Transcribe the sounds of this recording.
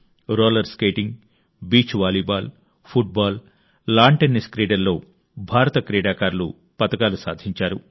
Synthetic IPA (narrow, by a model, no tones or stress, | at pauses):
ɾoːlɐɾskejʈiŋɡ | biːt͡ʃʋaːlibaːl | pʰuʈ̚baːl | laːɳʈeniskɾiːɖɐɾlːo̞ː | bʱaːɾɐt̪ɐkɾiːɽaːkaːɾlṵ | pɐt̪ɐkaːlusa̰ːd̪ʱiɲt͡ʃaːɾu